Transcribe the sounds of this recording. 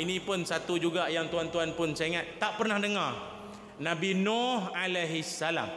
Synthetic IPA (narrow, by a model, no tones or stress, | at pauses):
inĩpʊnsat̪ud͡ʒuɡajaŋt̪uant̪uanpʊnseŋãt̪ːaʔpərnahdəŋar | nãbinɔhalaɦisːala̰m